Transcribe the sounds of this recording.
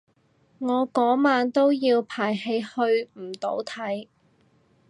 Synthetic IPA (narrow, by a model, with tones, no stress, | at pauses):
ŋɔː˨˧kɔː˨˥maː˨˧nt̪o˥wjiː˧wpʰaː˨˩jhe˧jhɵ˧ɥm̩˨˩t̪o̰˨˥wt̪ʰɐ˨˥j